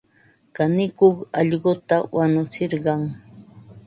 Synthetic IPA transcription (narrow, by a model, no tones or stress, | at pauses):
kanɪkoχɑʎɢot̪awanʊt͡sɪɾɢɑŋ